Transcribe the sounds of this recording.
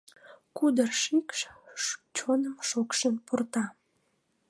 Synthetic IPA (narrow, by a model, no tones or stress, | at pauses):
kud̪ərʃikʃ | t͡ɕonəmʃokʃənpurt̪ɑ